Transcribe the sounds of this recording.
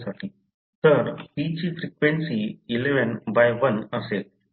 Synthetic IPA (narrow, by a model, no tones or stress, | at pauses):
saʈʰi | t̪əɾʋit͡ɕiːfɾikʋeɳsiːleʋənbajʋənəse